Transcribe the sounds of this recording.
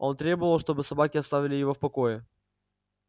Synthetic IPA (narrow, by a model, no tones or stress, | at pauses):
o̞nt̪ɾʲe̞bəvəlˠʂt̪o̞bɨsɐbakʲɪɐst̪avʲɪlʲɪjɪvo̞fpɐko̞jɪ